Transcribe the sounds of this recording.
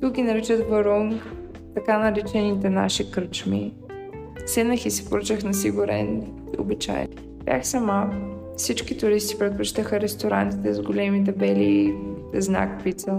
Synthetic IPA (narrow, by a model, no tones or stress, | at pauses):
t̪ukɡʲinɐɾit͡ʃət̪vɐɾom | t̪ɐkanɐɾit͡ʃɛnit̪ɛna̰ʃikɾt͡ʃmḭ | sɛnəxisɛ̥poɾət͡ʃəxnɐsiɡʊɾɛ̰n | io̰bit͡ʃa̰jɛ̰n | b̥ʲjʲa̰xsɐma | fsit͡ʃkit̪ʊɾist̪i̥pɾɛt̪̚pʊt͡ʃi̥t̪əxəɾɛst̪oɾa̰nt̪it̪ɛzɡolɛmit̪̬ɛbɛliː | zna̰kpit̪sə